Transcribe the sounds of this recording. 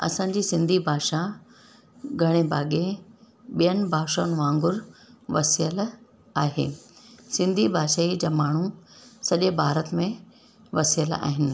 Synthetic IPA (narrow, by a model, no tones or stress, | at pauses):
ɐ̰sãːɲd͡ʑiːsɪ̃nd̪ʱibʱaːʃa | ɡʱɐɽ̃ebaːɠe | ɓijənɪ̆bʱaːʃaːnɪ̆ʋãːŋɡʊɾʋɐsijəl | aːɦḛːsɪ̃nd̪ʱibʱaːʃaːid͡ʑaːmaːɳ̤̃usɐʄebʱaːɾət̪mẽ | ʋɐsijəla̰ːɦɪnɪ̆